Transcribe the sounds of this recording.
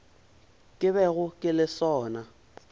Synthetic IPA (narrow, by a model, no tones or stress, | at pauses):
kʼɪβɛɣʊkʼɪlɪsɔːna